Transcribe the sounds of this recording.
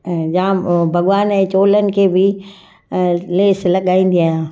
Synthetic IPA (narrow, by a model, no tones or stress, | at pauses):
jãːbʱɐɠʋaːnɛ̃ːt͡ɕoːlənɪ̆kʰeːbʱɪ | leːslɐɠaːĩːn̆d̪iaːɦjãː